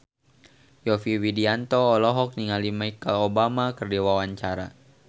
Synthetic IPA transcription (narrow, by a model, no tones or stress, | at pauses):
jɔfiwidiant̪ɔːlɔɦɔk̚niŋalimaikalobamakərdiwawaɲt͡ʃaɾa̰